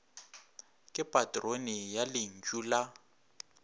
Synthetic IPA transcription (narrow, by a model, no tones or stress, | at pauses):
kʼɪpʼatʼronɪjalɪŋ̩t͡ʃʼuːla